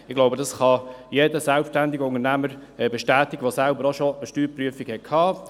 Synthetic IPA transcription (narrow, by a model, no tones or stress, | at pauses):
ɪχɡloʊbədɑsχɑjeːdəsɛlpʃtænd̪ɪɡəʊnənæməɾɛbeʃtæːtɪɡ̥əʋosælbəɾoʃoəʃtyːɾpryəfikhɛt̚kʰhɑː